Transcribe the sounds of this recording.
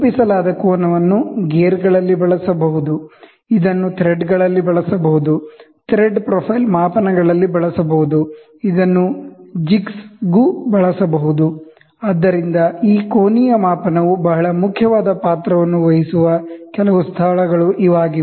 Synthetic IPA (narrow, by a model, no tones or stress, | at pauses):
pisɐlaːd̪ɐkɔːnɐʋɐnːuɡeːɾɡɐɭɐlːibɐɭɐsɐbɐɦud̪u | id̪ɐnːut̪ʰɾeɖɡɐɭɐlːibɐɭɐsɐbɐɦud̪ut̪ɾeɖpɾɔpʰɐjlmaːpɐnɐɡɐɭɐlːibɐɭɐsɐbɐɦud̪u | id̪ɐnːud͡ʒiksɡubɐɭɐsɐbɐɦud̪u | aːd̪ːɐɾind̪ɐiːkoːnijɐmaːpɐnɐʋubɐɦɐɭɐmukʰjɐʋaːd̪ɐpaːt̪ɾɐʋɐnːuʋɐɦisuʋɐkɛlɐʋust̪ʰɐɭɐɡɐɭuʔiʋaːɡi